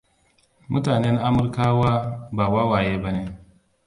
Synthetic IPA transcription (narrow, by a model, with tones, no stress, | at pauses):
mʊ̰˦taː˨nɛ˦nʔa˦mʊ˨ɾkaː˦waː˦baː˨waː˦waː˨jeː˦ba˦ne˦